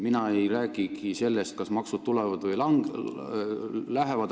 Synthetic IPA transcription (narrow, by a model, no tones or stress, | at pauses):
minɑejræːɡ̥iɡise̞lːe̞st̪̚kɑsmɑksut̪t̪ːulɛvɑd̪vɯjlɑŋ | læɦe̞vɑd̪